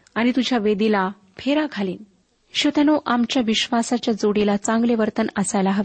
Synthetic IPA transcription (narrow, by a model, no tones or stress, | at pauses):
añit̪ud͡ʑʱjaʋed̪ila | pʰeɾaɡʱaliːn | ɕot̪anoʔamt͡ɕjaʋiɕʋasat͡ɕjad͡zoɽilat͡sãŋɡleʋəɾt̪ənəsajlaɦaʋi